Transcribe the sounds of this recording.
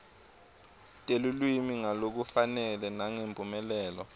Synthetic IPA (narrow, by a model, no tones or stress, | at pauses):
tʼelulwimiŋalok̬ufanɛlɛnaŋempʼumɛlɛːlɔ̰